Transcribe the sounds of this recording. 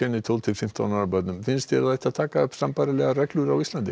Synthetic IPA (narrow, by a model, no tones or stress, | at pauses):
ɛnɪt̪ʰɔlt̪ʰɪlfɪm̥t̪awnaapœt̪nʏmfɪnst̪ʰçɛ̰ɾaðaht̪aðt̪ʰaːkaʏpsampaːɾalɛɣaɾɛklʏɾawist̪lant̪ɪ